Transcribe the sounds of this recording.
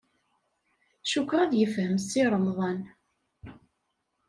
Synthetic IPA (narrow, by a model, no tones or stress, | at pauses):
ʃukːɾˤɑðjəfhəmsiɾˤəmðˤɑn